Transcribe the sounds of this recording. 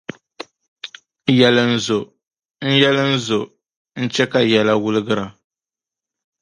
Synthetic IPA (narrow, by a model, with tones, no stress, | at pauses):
jɛ˨lɨ˨n̩˦˨zʊ˨ | n̩˦jɛ˦lɨ˦n̩˦zʊ˨ | n̩˦t͡ʃɛ˦ka˨jɛ˨la˦wʊ˦lɨ˦ɡɨ˦ɾa˨